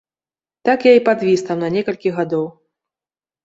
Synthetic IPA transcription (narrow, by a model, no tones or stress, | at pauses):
t̪akjaipad̪vʲist̪ɐwnɐnʲɛkɐlʲkʲiɣad̪ɔw